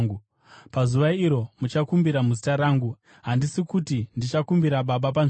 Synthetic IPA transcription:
ɡu | pazuʋaiɾo̞mut͡ʃakumbiɾamuzitaɾaːŋɡu | ɦandisikutindit͡ʃakumbiɾaɓaɓap̬an

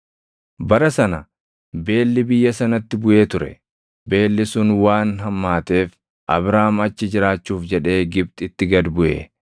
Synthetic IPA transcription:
bɐɾɐsɐnɐ | be̞ːlːɪbɪjːɐsɐnɐt̪ːɪbʊʔe̞ːt̪ʊɾɛ̰ | be̞ːlːɪsʊnwaːnɦɐmːaːt̪e̞ːf | ʔɐ̰bɾaːmɐt͡ʃːɪd͡ʒɪɾaːt͡ʃːuːfd͡ʒɛᶑe̞ːɡɪb̚t̪ʼɪt̪ːɪɡɐd̪bʊʔḛː

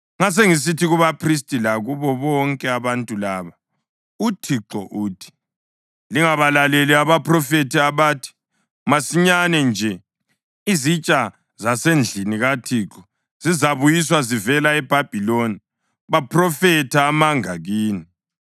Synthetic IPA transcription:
ŋas̬eŋis̬itʰiɣuβapʰris̬tʼilaɣuβɔβɔŋkʼɛaβantʼulaːβa | utʰiǁɔʔuːtʰi̥ | liŋaβalaleliaβaprɔfetʰiaβaːtʰi̥ | masiɲanɛnd͡ʒʱɛ | izit͡ʃʼa | zasend͡ɮʱiniɣatʰiːǁɔ̥ | z̥izaβujis̬wazivɛlaɛb̥ʱab̥ʱiloni | βapʰrɔfɛtʰaːmaŋaɣiːni

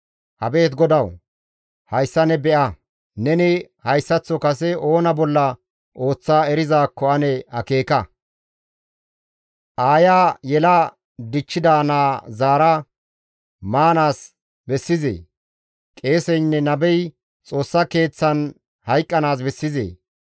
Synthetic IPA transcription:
hɐbe̞ːt̪ɡɔd̪ɐw | hɐjsːɐnɛbɛʔɐ | nɛnɪ | hɐjsːɐt͡sːɔkɐs̬ɛo̞ːnɐbɔlːɐ | o̞ːt͡sːaːɛɾɪzaːkːɔʔɐnɛhɐke̞ːkɐ | ʔaːjaːjɛla | d̪ɪt͡ʃːɪd̪aːnaːzaːɾɐ | maːnaːs | bɛsːɪzḛː | kʼe̞ːsɛjnːɛnɐbɛj | t͡sʼo̞ːsːɐke̞ːt͡sːɐn | hɐjkʼːɐnaːs̬bɛsːɪzḛː

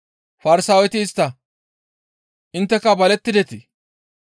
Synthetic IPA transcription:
fɐɾɪsaːwɛt̪ɪːst̪ːɐ | ʔɪnt̪ːɛkɐbɐlɛt̪ːɪd̪ɛt̪ɪ

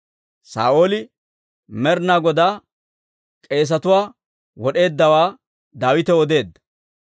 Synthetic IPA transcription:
sa̰ːʔoːlɪ | mɛɾnaːɡɔd̪aː | kʼe̞ːs̬ɐt̪ʊwaː | wɔɗe̞ːd̪ːɐwaː | d̪aːwɪt̪ɛwɔd̪e̞ːd̪ːɐ̥

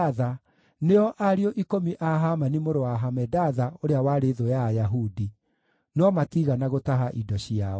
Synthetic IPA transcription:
ða | neɔʔaɾiɔʔikomiʔaɦamanimoɾowaɦamɛdaðaoɾeawaɾeðojajaɦudi | nɔmatiɣanaɣotaɦaʔidɔɕiaɔ

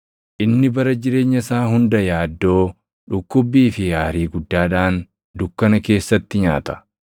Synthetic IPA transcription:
ʔɪnːɪbɐɾɐd͡ʒɪɾe̞ːɲːɐsaːhʊnd̪ɐjaːd̪ːo̞ː | ᶑʊkːʊbːiːfɪjaːɾiːɡʊd̪ːaːᶑaːn | d̪ʊkːɐnɐke̞ːsːɐt̪ːɪɲa̰ːt̪ɐ̥

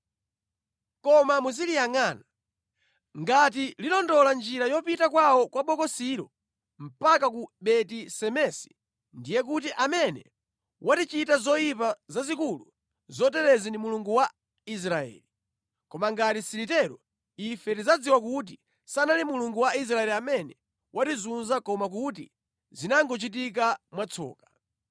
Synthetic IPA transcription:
kɔmamuzilijaŋaːna | ŋɡatililɔndɔland͡ʒiɾajɔpitakwawɔkwaɓɔkɔsiɾɔ | m̩pakak̬uɓɛtisɛmɛsi̥ | ndijɛk̬ut̬iʔamɛnɛ̰ | wʔatit͡ʃitazɔjipazazikulṵ | zɔt̬ɛɾɛzindimuluŋɡuwa | is̬ɾaɛ̰ːli | kɔmaŋɡatisiɾit̬ɛɾɔ | ifɛtizad͡ziwak̬ut̬i | sanalimuluŋɡuwais̬ɾaɛliamɛnɛ | wʔatizunzakɔmak̬ut̬ḭ | zinaŋɡɔt͡ʃit̬ik̬amwat͡sʰɔ̰ːkḁ

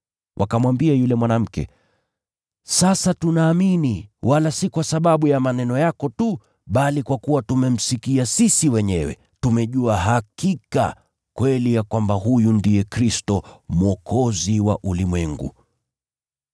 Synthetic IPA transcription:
wʔa̰kamwambiajulɛmwanam̩kɛ̰ | sasatunaːminiwʔalasikwasaɓaɓujamanɛnɔjakɔtu | ɓalikwakuwatumɛm̩sikiasisiwɛɲɛwɛ̰ | tumɛʄuaɦakika̰ | kwɛlijakwambaɦujundijɛkɾistɔmuɔkʰɔziwa̰ʔulimwɛŋɡṵ

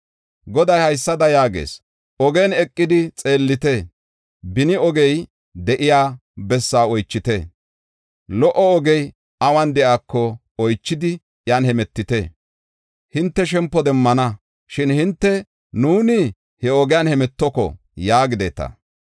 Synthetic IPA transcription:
ɡɔd̪ɐjhɐjsːɐd̪ɐjaːɡḛːs | ʔɔɡɛnɛkʼːɪd̪ɪt͡sʼe̞ːlːɪt̪e | bɪnɪɔɡɛj | d̪ɛʔɪjaːbɛsːaːɔjt͡ʃːɪt̪e | lɔʔɔɔɡɛj | ɐwɐnd̪ɛʔaːkːɔ | ɔjt͡ʃːɪd̪ɪ | janhɛmɛt̪ːɪt̪e | hɪnt̪ːɛʃɛmpːɔd̪ɛmːɐnɐ | ʃɪnhɪnt̪ːɛ | nuːnɪ | hɛɔɡɛjanhɛmɛt̪ːɔkɔ̰ | jaːɡɪd̪ḛːt̪ɐ̰

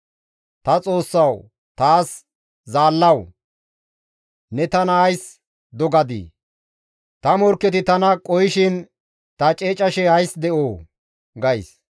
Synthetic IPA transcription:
t̪ɐt͡sʼo̞ːsːɐw | t̪aːs | zaːlːɐw | nɛt̪ɐnɐɐjs | d̪ɔɡɐd̪ḭː | t̪ɐmɔɾkːɛt̪ɪt̪ɐnɐkʼɔjɪʃɪn | t̪ɐt͡ʃʼeːt͡ʃʼːɐʃɛhɐjsd̪ɛʔoː | ɡɐjs

